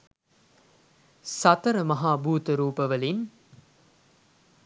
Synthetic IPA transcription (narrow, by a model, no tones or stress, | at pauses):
sɐt̪əɾəmɐɦaːbuːt̪əɾuːpəʋəlin